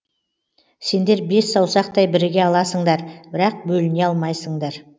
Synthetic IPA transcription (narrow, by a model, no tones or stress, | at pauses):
se̞nd̪e̞ɾbe̞sːɑwsɑq̚t̪ɑjbɪɾɪɡʲe̞ɑlˠɑsəɴd̪ɑɾbɪɾɑq̚bɵlɪneɑlˠmɑjsəɴd̪ɑɾ